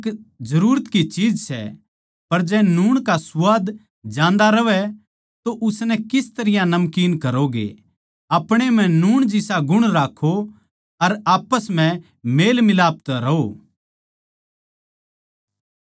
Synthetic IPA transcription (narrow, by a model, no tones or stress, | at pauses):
kd͡ʒɐɾuːɾət̪kit͡ʃiːd͡ʒsɛ̰ | pɐɾd͡ʒɛːnuːɽ̃kasʊʋaːd̪ | d͡ʒãːnd̪aɾɐʋɛ | t̪oʔʊsnɛkɪst̪ɐɾɪjãnɐmkiːnkɐɾoɡḛ | ɐpɽ̃em̤ɛ̃nuːɽ̃d͡ʒɪsaɡʊɽ̃ɾaːkʰo | ɐɾaːpəsm̤ɛ̃ | meːlmɪlaːp̚t̪ɾɐoː